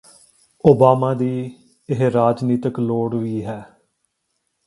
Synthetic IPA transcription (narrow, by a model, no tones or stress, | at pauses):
oːbaːmãːd̪iː | ɪɦɾaːd͡ʒniːt̪əkloːɽʋiːɦɛː